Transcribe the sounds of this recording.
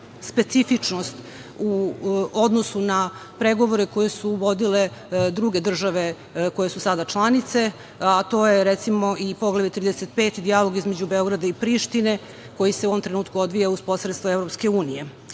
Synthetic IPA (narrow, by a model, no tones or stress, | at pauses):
spet̪sifit͡ʂnost̪ | uod̪nosunapɾeɡo̞ʋo̞ɾeko̞jesuʋo̞d̪ile̞d̪ɾuɡe̞d̪r̩ʒaʋe̞ | ko̞je̞susad̪at͡ʃlˠanit̪se̞ | at̪o̞ːjeɾet̪simoʔipoɡlaʋjet̪ɾiːd̪eset̪peːt̪id̪ijalo̞ɡizmed͡ʑubeo̞ɡɾad̪aipɾiʃt̪ine̞ | ko̞jiseuoʋomt̪ɾe̞nuːt̪kuo̞d̪ʋijauspo̞sɾet̪st̪vaevɾopske̞uːnije̞